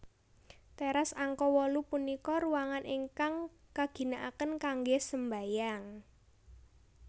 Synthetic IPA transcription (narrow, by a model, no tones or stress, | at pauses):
t̪ɛɾasaŋkɔwɔlupunikɔɾuwaŋanʔiŋkaŋkaɡ̥i̤naʔakənkaŋɡesəmbajaŋ